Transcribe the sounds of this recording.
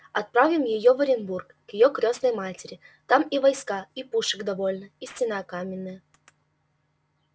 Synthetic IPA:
ɐt̪̚pɾavʲɪmjɪjovəɾʲɪnburkkjɪjokɾʲosnəjmatʲɪɾʲɪt̪amivɐjskaipuʂɨɡd̪ɐvo̞lʲnəisʲtʲɪnakamʲɪnːɨjə

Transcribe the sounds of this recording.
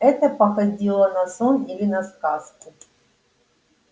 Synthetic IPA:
ɛt̪əpɐxɐdʲilˠənɐsonilʲɪnɐskaskʊ

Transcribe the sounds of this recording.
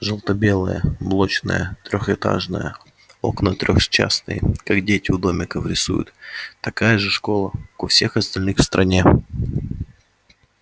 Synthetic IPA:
ʐɨlˠt̪əbʲelˠəjə̰mlˠot͡ɕnə̰jət̪ɾʲoxɛt̪a̰ʐnə̰jə̰ | o̞knət̪ɾʲoxt͡ɕːa̰snɨ̰jəkakdʲetʲɪʊd̪o̞mʲɪkəfɾʲɪsṵjʊ̰t̪ːɐkajəʐɨʂko̞lˠəkʊfsʲe̞xɐst̪ɐlʲnɨxfst̪ɾɐnʲe

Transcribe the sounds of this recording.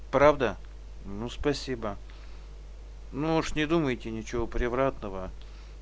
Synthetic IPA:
pɾavd̪ə | nuspɐsʲibə | nuuʂnʲɪd̪uməjtʲɪnʲɪt͡ɕɪvopɾʲɪvɾat̪nəvə

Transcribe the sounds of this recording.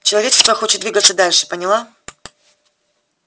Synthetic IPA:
t͡ɕɪlˠɐvʲet͡ɕɪ̥st̪vəxo̞t͡ɕɪt̪d̪vʲiɡət̪sːəd̪alʲʂɨ̥pənʲɪlˠa

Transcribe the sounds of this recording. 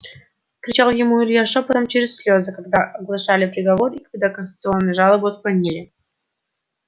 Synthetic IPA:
kɾʲɪt͡ɕalˠjɪmuɪɾʲjaʂəpɐt̪omt͡ɕeɾʲɪsʲsʲlʲozəkɐɡd̪aʔɐɡlˠɐʂalʲɪpɾʲɪɡɐvo̞rikɐɡd̪akənsʲət̪sɨo̞nːɨjəʐalˠəbɨɐt̪pɐnʲːilʲɪ

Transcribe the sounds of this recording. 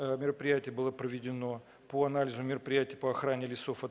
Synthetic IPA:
mʲɪɾəpɾʲɪjætʲɪjəbɨlˠəpɾəvʲɪdʲɪno̞ | poɐnalʲɪzʊmʲɪɾəpɾʲɪjætʲɪjəpəɐxɾanʲɪlʲɪso̞fɐ

